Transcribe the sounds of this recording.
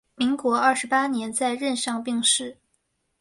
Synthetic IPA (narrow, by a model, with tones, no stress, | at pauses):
mi˧˥ŋkwɔ˧˥ɐ˞˥˩ʂɻ̩˧˥pa˥njɛ˧˥nt͡sa˥˧ɪɻə˥˧nʂɑ˥˧ŋpi˥˧ŋʂɻ̩˥˩